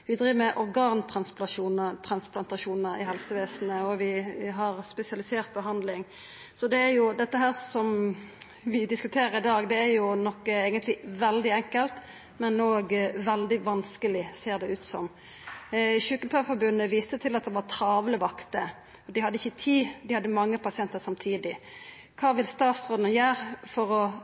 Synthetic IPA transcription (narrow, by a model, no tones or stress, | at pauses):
ʋɪd̪ɾiːʋəmɛʔɔɾɡɑːnt̪ʰɾɑnsplɑʃuːnət̪ʰɾɑnsplɑnt̪ɑʂuːnəɾɪ̰ɦɛlsəʋeːsnəɔʋɪɦɑɾspɛsɪɑlɪseːʁt̪̚bəɦɑnd̪lɪŋ | sɔd̪ɛæɾjʊd̪ɛt̪ːəɦæːʁsɔm | ʋɪd̪ɪskʉt̪ʰeːɾəɾɪd̪ɑːɡd̪ɛæɾjʊnɔkːəeːɡənt̪lɪʋɛld̪ɪɛŋkəlt̪ | mɛnoːɡʋɛld̪ɪʋɑnskəlɪseːɾd̪ɛʉːt̪sɔm | çʉːkəlpʰœfɔɾbʉnːəʋiːst̪ət̪ʰɪlɑt̪̚d̪ɛʋɑt̪ʰɾɑːʋləʋɑkt̪ə | ɔd̪ɪhɑd̪ːəɪçːət̪ʰiːd̪ɪhɑd̪ːəmɑŋːəpʰɑsɪɛnt̪əɾsɑmt̪ʰiːd̪ɪ | kʰɑːʋɪlst̪ɑːt̪sʁoːlənjæːɾfɔɾɔ